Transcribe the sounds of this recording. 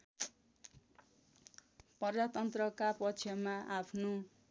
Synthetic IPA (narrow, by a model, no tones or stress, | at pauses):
pʌrd͡zat̪ʌnt̪rʌkapʌt͡sʰjʌmaapʰno